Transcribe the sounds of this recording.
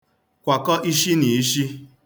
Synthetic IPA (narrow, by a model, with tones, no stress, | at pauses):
kʷa˨kɔ˦ʔi˦ʃi˦ni˨i˦ʃi˦